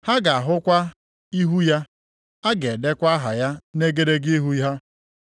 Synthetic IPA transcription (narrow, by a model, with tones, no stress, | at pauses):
ha˦ɡa˨a˨ɦʊ˦kʷa˦ | i˦ɦu˦ja˦ | a˦ɡe˨de˦kʷa˦ɦa˨ja˦ne˦ɡe˦ɾe˦ɡi˦ɦu˦i˦ɦa˦